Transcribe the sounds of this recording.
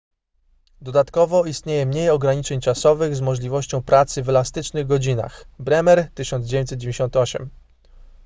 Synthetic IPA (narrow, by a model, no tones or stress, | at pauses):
d̪ɔd̪at̪kɔvɔist̪ɲejɛmɲejɔɡɾaɲit͡ʂɛɲt͡ʂasɔvɘɣzmɔʐlʲivɔɕt͡ɕɔ̃w̃pɾat̪sɘvɛlast̪ɘt͡ʂnɘɣɡɔd͡ʑina̰xbɾɛmɛɾt̪ɘɕɔnd̪zd͡ʑevʲjẽɲt̪sɛt̪̚d͡ʑevʲẽɲd͡ʑeɪɕɔnt̪ɔɕɛ̰m